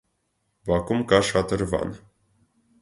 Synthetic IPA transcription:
bɑkumkɑʃɑt̪əɾvɑ̰n

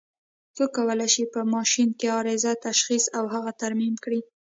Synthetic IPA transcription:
t͡səkawəlajʃipəmɑʃinkeɑɾezat̪aʃxisawɦaɣat̪aɾmimkɽi

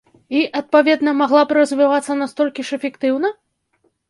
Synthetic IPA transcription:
iʔɐt̪̚pavʲɛd̪nɐmaɣlˠabɾɐzʲvʲivat̪sːɐnast̪ɔlʲkʲiʂɛfʲɛkt̪ɨwnɐ

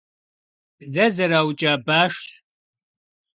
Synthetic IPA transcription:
ðɐzɐɾaːwt͡ʃʼaːbaːʂɬ

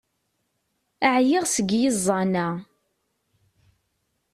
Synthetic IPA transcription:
aʕjɪʁsəɡjɪzˤːɑna

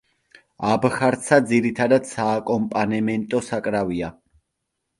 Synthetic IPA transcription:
abχaɾt̪sʰad̪ziɾit̪ʰad̪ad̪̥saːkʼɔmpʼanɛmɛnt̪ʼɔsakʼɾavia

